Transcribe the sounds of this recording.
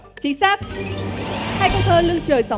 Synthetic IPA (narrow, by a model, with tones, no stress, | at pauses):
t͡ɕi˧˦saː˦˥p̚ | haː˧jkɔ˧˥t̪ʰəː˧lɨ˧əŋt͡ɕəː˨˩jsa˨˦